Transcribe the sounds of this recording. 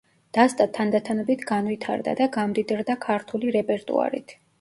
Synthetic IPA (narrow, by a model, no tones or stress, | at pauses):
d̪̥ast̪ʼat̪ʰand̪at̪ʰanɔbit̪ʰɡanvit̪ʰa̰ɾd̪a̰d̪aɡamd̪id̪ɾd̪akʰaɾt̪ʰuliɾɛpʼɛɾt̪ʼṵa̰ɾḭt̪ʰ